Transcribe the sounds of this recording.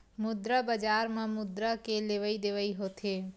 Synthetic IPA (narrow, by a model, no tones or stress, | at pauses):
mʊd̪ɾabəd͡ʒaːɾmãmʊd̪ɾakeleʋəid̪eʋəiɦoːt̪ʰeː